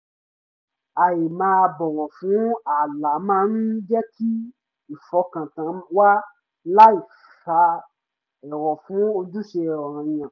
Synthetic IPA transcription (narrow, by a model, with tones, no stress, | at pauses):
a˨je˨mãː˧˦˧bɔ˨wɔ˨fũ˨˦a˨la˨˦mãː˦nũ˦d͡ʒɛ˦tʰi˦ | i˨fɔ˧˦kã˨tã˨˦wa˦ | la˦i˨ | ffa˨˧ | ɛ˨ɾɔ˨fũ˨˦o˧du˦ʃe˧˨ɔ˨ɾ̃ã˨j̃ã˨